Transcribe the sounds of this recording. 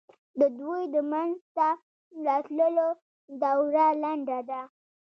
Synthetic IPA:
d̪əd̪wojd̪əmanzt̪a | lɑtləlo | d̪awɾalaɳɖad̪a

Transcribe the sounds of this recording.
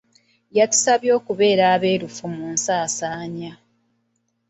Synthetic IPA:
jatu̥saβjo̞ːkuβe̞ːɾaːβe̞ːɾufumuːnsaːsaːɲa

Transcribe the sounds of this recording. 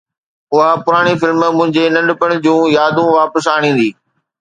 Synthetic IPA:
ʊɦapʊɾaːɽ̃ifɪlməmʊ̃ɦɪ̃ɲd͡ʑenɐ̃ɳɖpəɽ̃d͡ʑũːjaːd̪ũʋaːpəsaːɽ̃ĩːn̆d̪iː

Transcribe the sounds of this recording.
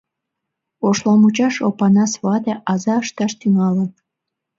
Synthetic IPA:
oʃlɑmut͡ɕɑʃopɑnɑsβɑt̪eʔɑzɑəʃt̪ɑʃt̪yŋɑlən

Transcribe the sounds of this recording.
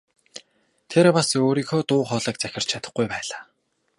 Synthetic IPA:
t̪ʰeɾpasoːɾiːxoːt̪ʊːχɔːɮə̆ːkt͡sæxʲɪ̆r̥t͡ɕʰat̪ə̆χɡujpæːɮaː

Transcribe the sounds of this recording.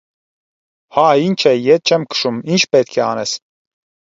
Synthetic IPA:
haint͡ʃʰɛjɛt̪̚t͡ʃʰɛmkʰə̥ʃumint͡ʃʰpɛt̪kʰɛɑ̰ːnɛs

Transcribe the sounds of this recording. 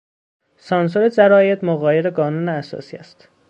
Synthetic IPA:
sɒːns̬oɾed͡ʒæɾɒːjed̪moɣɒːjeɾeɡɒːnuːneæsɒ̰ːsiːæ̰st̪

